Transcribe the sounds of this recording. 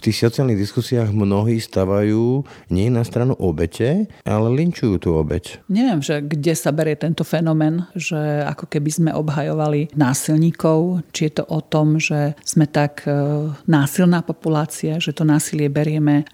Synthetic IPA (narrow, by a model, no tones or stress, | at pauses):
ft̪iːxsɔt͡sialniɣd̪iskusiaːɣmnɔɦiːst̪aʋajuːɲɪɛɛnast̪ɾanuʔɔbɛcʰɛʔa̰lɛliɲt͡ʃujuːt̪uːɔbɛ̰cɲɛʋɪɛmʒɛɡɟɛsabɛɾɪjɛt̪ɛnt̪ɔfɛnɔmɛːnʒɛa̰kɔkɛbizmɛʔɔ̰bɦajɔʋalinaːsilɲiːkɔʊt͡ʃijɛt̪ɔʔɔt̪ɔmʒɛz̥mɛt̪aɡ | naːsilnaːpɔpulaːt͡siaʒɛt̪ɔnaːsilɪɛbɛɾɪɛmɛ